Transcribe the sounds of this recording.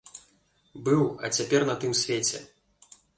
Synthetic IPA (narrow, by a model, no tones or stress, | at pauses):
bɨwɐ̰t͡sʲapʲɛrnɐt̪ɨmsʲvʲet͡sʲɛ̰